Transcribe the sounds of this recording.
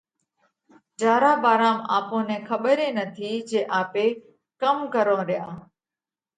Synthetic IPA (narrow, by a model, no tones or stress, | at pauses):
d͡ʒaːɾaːbaːɾaːma̰ːpõːnẽːkʰəɓəɾeːnət̪ʰiːd͡ʒeːʔaːpeː | kəmkəɾõːɾɪjaː